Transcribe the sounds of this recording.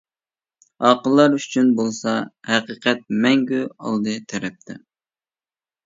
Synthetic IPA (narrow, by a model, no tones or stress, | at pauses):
ɑqəlˠːɑɾyt͡ʃʰynbolˠsɑhɛqiːqʰɛt̪̚mɛŋɡʲyɑ̰lˠd̪ɨt̪ʰɛɾɛp̚t̪ʰɛ